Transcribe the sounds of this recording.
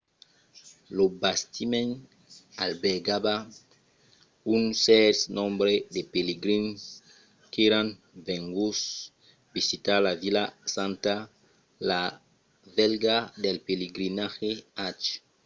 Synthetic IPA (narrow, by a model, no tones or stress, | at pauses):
lobast̪imẽn | albeɾɡaba | unsɛɾsnɔ̃mbɾed̪epeleɡɾins | keɾãn | veŋɡus | bisit̪alavilasãnt̪a | la | vɛlɡad̪elpeleɡɾinaxeat͡ʃ